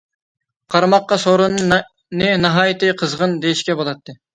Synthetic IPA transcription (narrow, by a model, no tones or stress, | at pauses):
qʰɑɾmɑqːɑsoɾunɨ | nɨnɨɦɑːjɨt̪ɨqʰəzʁənd̪ejiʃkʲɛbolˠɑt̪ʰːɨ